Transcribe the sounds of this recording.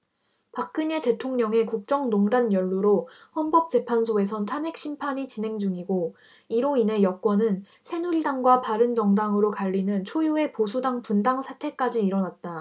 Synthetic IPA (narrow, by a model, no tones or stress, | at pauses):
pak͈̚ɯɲe̞te̞tʰoŋɲʌŋe̞kuk̚t͡ɕ͈ʌŋnoŋdanjʌɭːuɾohʌnbʌp̚t͡ɕ͈e̞pʰansʰoe̞s̬ʰʌntʰanɦe̞k̚ɕ͈ʰimpʰaɲit͡ɕine̞ŋd͡ʑuŋiɡo | iɾoine̞jʌk͈wʌnɯn | sʰe̞nuiɭdaŋɡwapaɾɯnd͡ʑʌŋdaŋɯɾokaʎːinɯnt͡ɕʰojue̞pos̬ʰudaŋpundaŋsʰatʰe̞k͈ad͡ʑiːɾʌnat̚t͈a